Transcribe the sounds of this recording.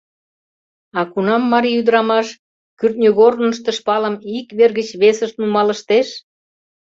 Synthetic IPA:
ɑkunɑmːɑɾiyd̪əɾɑmɑʃ | kyrt̪nʲoɣornə̆ʃt̪ə̆ʃpɑləmikβerɣət͡ɕβesəʃt̪numɑləʃt̪eʃ

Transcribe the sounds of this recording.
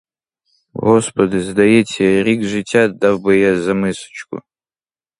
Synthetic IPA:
ɦɔspɔd̪ɪzd̪ɐjɛt͡sʲːɐɾʲiɡʒɪtʲːad̪awbɪjazɐmɪsɔ̥t͡ʃkʊ̰

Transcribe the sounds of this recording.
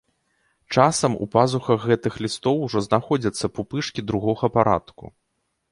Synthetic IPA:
t͡ʂasɐmṵpazuxɐɣɣɛt̪ɨxlʲist̪ɔwʐɔznaxɔd͡zʲɐt̪sːɐpupɨʂkʲid̪ɾuɣɔɣɐpaɾa̰t̪kṵ

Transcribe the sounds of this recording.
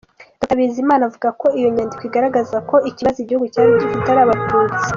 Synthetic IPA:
dukaβizimaːnavuɡako̞ijo̞ɲaːndikwoiɡaɾaɡazako̞ʔiciβazoiɟihuɡucaːɾiɟikitaɾaːβatuːt͡se

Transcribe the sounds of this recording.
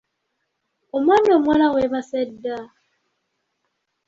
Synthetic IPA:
omwanomwanaweβasedːa

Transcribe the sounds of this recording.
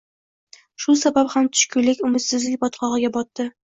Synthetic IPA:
ʃʊsabaphamt̪ʰʊ̥ʃkʲʰʊlːɪkʲʊmɪt̪sɪzlɪkʲbɒt̪qʰɒʁɨɡʲabɒt̪ːɪ

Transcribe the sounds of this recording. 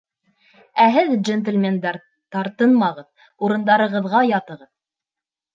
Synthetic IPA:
æɦɘðd͡ʒent̪ɘ̆lʲmʲend̪æɾ | t̪ɑɾt̪ɤnmɑʁɤð | uɾɤ̆nd̪ɑɾɤ̆ʁɤ̆ðʁɑjɑt̪ɤ̆ʁɤð

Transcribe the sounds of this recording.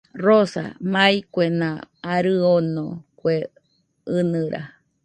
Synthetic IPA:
rosa̰majkʷenãaɾɨonõkʷe | ɨnɨɾʔa̰

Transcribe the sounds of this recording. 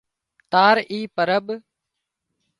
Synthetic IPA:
t̪aːɾiːpəɾəɓ

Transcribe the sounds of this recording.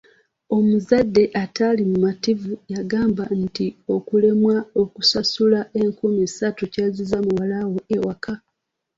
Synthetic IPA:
o̞muzadːe̞ʔatalimumativujaɡaːmban̩tio̞kule̞mwao̞kusasulaʔe̞ŋkumisatucazizamuwalawo̞ewakʰa

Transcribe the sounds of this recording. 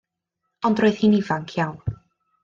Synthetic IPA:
ɔndroɨð̥hiːnivaŋkʰjawn

